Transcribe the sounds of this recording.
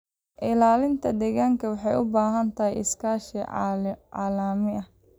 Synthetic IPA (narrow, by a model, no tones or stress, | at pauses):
ʔɪlaːlɪnt̪ʰɐd̪ɛɣaːŋkʰɐwɑħɑjʊbaːɦɐnt̪ʰɐɦɛjʔɪskʰaːʃḭ | aːlaːmɪʔɐ